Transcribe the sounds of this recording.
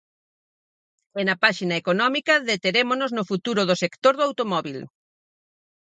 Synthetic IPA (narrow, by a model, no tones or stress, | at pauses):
ɛnɐpaʃinɐekonɔmikɐðet̪eɾemonoznʊfut̪uɾʊð̞ʊsekt̪oɾðoawt̪omɔβil